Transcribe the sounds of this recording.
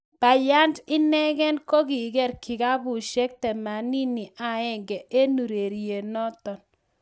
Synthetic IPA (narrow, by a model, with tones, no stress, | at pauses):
b̥a˨ja˦ndɪ˦nɛ˦ɡɛ˦nko˦ɡi˨ɡɛ˦˨ɾkʰɪ˨ka˦bu˨ʃe˦k̚tɛ˨ma˨ni˦ni˨ʔa˨ɛ˦˨ŋɡɛ˨ʔe˦nu˨ɾe˨ɾje˨nɔ˦t̪ɔ˨n